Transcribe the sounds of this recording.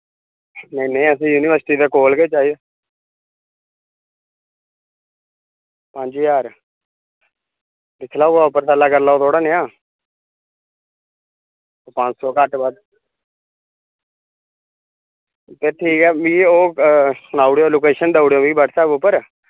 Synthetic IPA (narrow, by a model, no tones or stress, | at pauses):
nẽiːneĩːəsĩːjuːnɪʋəɾsʈiːd̪eːkoːlɡeːt͡ʃaːiːd̪eː | pə̃ɲd͡ʒijaːɾ | pɪt͡ʃʰlaːoaːʊpːəɾt̪əːlaːkəɾlaːoːt̪ʰoːɽaːneãː | opə̃ɲt͡ʃsɔːkəʈbad̪ | p̪eʈʰiːkɛːmĩːoːnaːʊɽjoːloːkeːʃənd̪aːʊɽjoːmĩːbəʈsɛːbʊpːəɾ